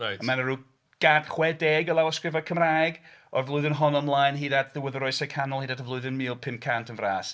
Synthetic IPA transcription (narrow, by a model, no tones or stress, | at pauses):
rajəmanəɾu | ɡ̥ad̥χwɛdeːɡəlˠawɔskrɪvakʰəmraːjɡɔrvlʊɨðɪnɦɔnɔmlˠajnɦiːdadʰðɪwəðəɾɔɨsɛkʰanʊlˠhiːdadʰəvlˠʊɨðɪnmiːlˠpʰɪmkʰantʰənvraːs